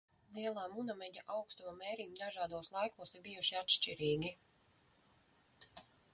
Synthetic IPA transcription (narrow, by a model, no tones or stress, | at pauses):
lˠiɛlˠaːmunamɛɲʲaʔawkst̪umamɛːɾiːmd̪aʒaːd̪uɔslˠajkuɔsiɾbijuʃiat̪ʃt͡ʃiɾiːɡʲi